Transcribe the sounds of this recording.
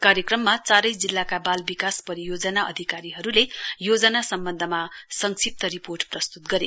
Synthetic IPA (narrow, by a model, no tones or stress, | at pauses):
kaɾjʌkrʌmːat͡saɾʌjd͡zilːakabalbikaspʌɾijod͡zʌnaʔʌ̰d̪ʱikaɾiɦʌɾulejod͡zʌnasʌmbʌnd̪ʱʌmasʌŋksip̚t̪ʌɾiporʈprʌst̪ut̪ɡʌɾe